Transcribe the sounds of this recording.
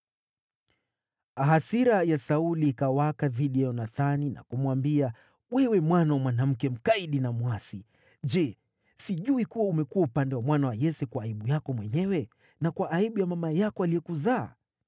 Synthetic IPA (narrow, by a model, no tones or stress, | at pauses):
aɦasiɾajasauliːkawakaðiɗijajɔnaθanina̰kumwambia | wɛwɛmwanawamwanam̩kɛm̩kaiɗinamwasi | ʄɛ | siʄuikuwaumɛkuwaupandɛwamwanawajɛsɛkwaːiɓujakɔmwɛɲɛwɛ | nakwaʔːiɓujamamajakɔalijɛkuza̰ː